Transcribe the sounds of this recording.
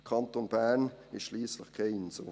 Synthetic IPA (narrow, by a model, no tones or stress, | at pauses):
kʰɑnt̪onb̥æːnɪʃʃliːsləχkʰeɪnso̰ː